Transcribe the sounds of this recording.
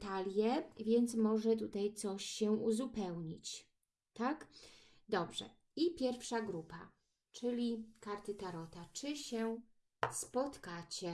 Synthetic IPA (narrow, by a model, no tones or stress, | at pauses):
t̪alʲjɛvʲjɛnt̪smɔʐɛt̪ut̪ajt̪sɔɕɕɛuzupɛwɲit͡ɕ | t̪ak | d̪ɔbʐɛ̰ | ipʲjɛɾfʂaɡɾupa | t͡ʂɘlʲikaɾt̪ɘt̪aɾɔt̪at͡ʂɘɕɛ | spɔt̪kat͡ɕɛ